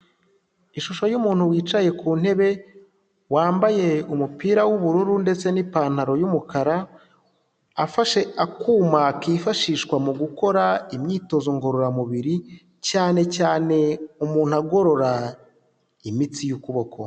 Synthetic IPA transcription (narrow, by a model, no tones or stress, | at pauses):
iʃuʃo̞jumuːn̥huwiːt͡ʃaje̞kʰuːn̥he̞βe̞ | waːmbaje̞umupiːɾawuβuɾuɾunde̞t͡se̞nipaːn̥haɾo̞jumukʰaɾa | faʃe̞akuːmakiːfaʃiːʃkwamuɡuko̞ɾaimɲiːto̞zoŋɡo̞ɾo̞ɾamuβiɾi | caːne̞caːne̞umuːn̥huaɡo̞ɾo̞ɾa | imit͡sijukuβo̞ko̰